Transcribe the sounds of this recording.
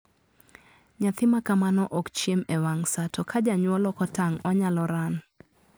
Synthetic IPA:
ɲat̪ɪmakamanɔʔɔkt͡ʃjemewaŋsatʰokʰad͡ʒaɲwɔlɔkɔtaŋɔɲalɔɾan

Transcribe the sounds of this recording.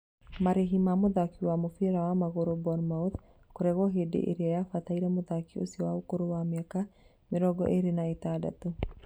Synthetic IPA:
maɾeɦimamoðakiwamofeɾawamaɣoɾobɔnmaot | koɾɛɣɔɦedḛʔḛɾeajafataiɾɛmoðakio̰siɔwaokoɾowameaka | meɾɔɡɔ̰ʔeɾenaetaːda̰to

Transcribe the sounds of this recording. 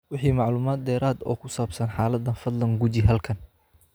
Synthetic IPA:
wɪħiːmɑʕluːmaːd̪̚ːɛːɾaːd̪ɔ̰ːkʰʊsaːbsɐnħaːlɐd̪ɐnfɐd̪lɐŋɡʊt͡ʃɪɦɐlkʰɐn

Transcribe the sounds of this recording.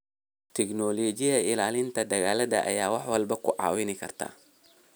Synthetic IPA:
t̪ʰɛknɔːlɔːt͡ʃɪjɐɪlaːlɪnt̪ʰɐd̪ɐɣaːlɐðɐ̰ʔɐ̰jaːwɑħwɐlbɐkʰʊʕɑ̰ːwɪnɪkʰɐ̰rt̪ʰa̰ː

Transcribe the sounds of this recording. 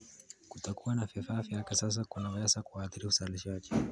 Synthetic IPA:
kutakuwanafifaːfiakasas̬akanawasakuaːθiɾiusaliʃaʄi

